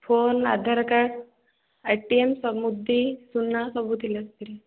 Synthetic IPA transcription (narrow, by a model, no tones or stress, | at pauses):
fʰona̰d̪ʱaɾəkaɽ | ajʈiemsɔmud̪ʱːisunːasɔbʱut̪iləst̪iɾi